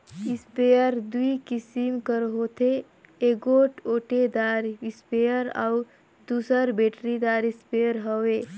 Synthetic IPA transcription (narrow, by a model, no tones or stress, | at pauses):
ispejəɾd̪uikisimkəɾɦot̪e | eɡoʈoʈed̪aɾispejəɾa̰u | d̪usəɾbeʈɾid̪aɾispejəɾɦəwe